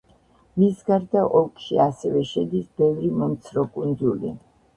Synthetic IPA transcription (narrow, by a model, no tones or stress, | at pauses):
misɡaɾd̪aʔɔkʰʼʃiasɛvɛʃɛd̪isbɛvɾimɔmt̪sʰɾɔkʼund̪ulḭ